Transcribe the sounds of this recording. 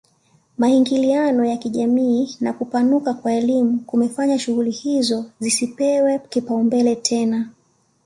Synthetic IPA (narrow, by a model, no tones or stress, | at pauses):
mahiŋɡilianɔjakiʄamiːnakupanukakwaɛlimukumɛfaɲaʃuɣulihizɔzisipɛwɛkipaumbɛlɛtʰɛna